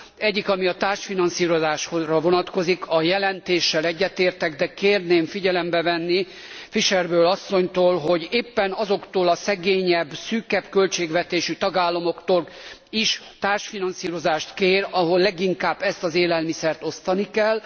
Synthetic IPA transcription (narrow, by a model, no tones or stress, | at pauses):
ɛɟːikɒmiɒt̪aːrʃfinɒnsiːɾozaːʃhorɒvo̞nɒt̪ko̞zikʰɒjɛlɛnt̪eːʃːɛlɛɟːɛt̪eːrt̪ɛɡd̪ɛkeːrneːɱfiɟɛlɛmbɛvɛnːi | fiʃɛrbøːlɒsːo̞ɲt̪oːlɦo̞ɟeːpːɛnɒzo̞kt̪oːlɒsɛɡeːɲɛbːsyːkɛbkø̞lt͡ʃeːɡʋɛt̪eːʃyt̪ɒɡaːlːɒmo̞kt̪oliʃ | t̪aːrʃfinɒnsiːɾo̞zaːʃt̪keːrɒɦo̞lːɛɡiŋkaːbːɛst̪ɒzeːlɛlmisɛrt̪o̞st̪ɒnikɛl